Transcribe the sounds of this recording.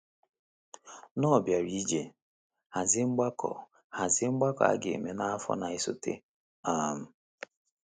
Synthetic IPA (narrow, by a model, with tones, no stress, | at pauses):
nɔ˦˨bja˨ɾi˦d͡ʒe˨ | ha˨zɪ˦ŋ͡m̩˦ɡ͡ba˦kʰɔ̰˨ | ha˨zɪ˦ŋ͡m̩˦ɡ͡ba˦kɔ̰˨a̰˦ɡɪ˨me˨na˦a˦fɔ̰˦na˨ɪ˦so̰˦tḛ˦ | a˦˨m̩˦